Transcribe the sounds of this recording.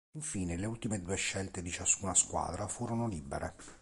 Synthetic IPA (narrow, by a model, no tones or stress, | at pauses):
iɱfiːneleult̪imed̪uːeʃːɛlt̪ed̪it͡ʃaskunaskwa̰ːd̪ɾafuːɾonolibḛɾʔe